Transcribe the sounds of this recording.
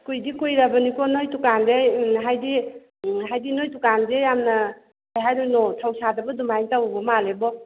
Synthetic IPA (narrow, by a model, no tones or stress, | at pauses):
kujdikujɾabanikɔnojtukandeɦajdi | ɦajdinojtukandejamnɐ | ajɦajɾunɔtʰawsadabɐdumajtawbɔmalebɔ